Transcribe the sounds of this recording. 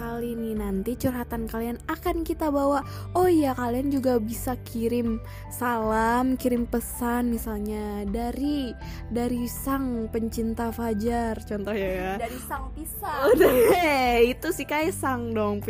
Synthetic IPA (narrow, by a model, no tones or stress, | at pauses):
alinɪnant̪it͡ʃurɦat̪ankalianakankit̪abawa | ojakaliand͡ʒuɡabisakiɾɪm | salamkiɾɪmpəsanmisalɲadaɾi | daɾisaŋpəɲt͡ʃint̪afad͡ʒart͡ʃɔnt̪ɔhɲajadaɾisaŋpisad | it̪usihkaisaŋdɔŋ